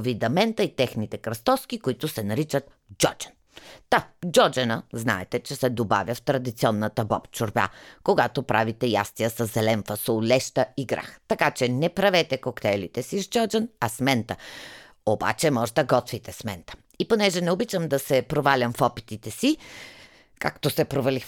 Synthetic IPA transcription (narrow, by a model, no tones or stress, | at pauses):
vid̪ɐmɛnt̪əit̪ɛxnit̪ɛkɾɐst̪ɔsk̟ikoit̪ʊsɛnɐɾit͡ʃət̪ | d͡ʒɔd͡ʒə̥n | t̪ad͡ʒɔd͡ʒɛnəzna̰ɛt̪ɛt͡ʃɛsɛd̪oba̰vʲjəft̪ɾɐd̪it̪siɔnːət̪əbɔ̰pt͡ʃʊɾba̰koɡat̪opɾʔavit̪ɛja̰st̪iəsɐzɛlɛnfəsolʲɛʃt̪əiɡɾa̰xt̪ɐkat͡ʃɛnɛpɾɐvɛt̪ɛkokt̪ɛlḭt̪ɛsizd͡ʒɔd͡ʒənɐsmɛnt̪ə | oba̰t͡ʃɛmɔʒɛd̪ɐɡɔt̪fit̪ɛsmɛ̰nt̪ə̥ | iponɛʒɛnɛobit͡ʃəmd̪ɐsɛpɾovalʲɐmfɔpit̪it̪ɛsi | ka̰kt̪osɛpɾovɐli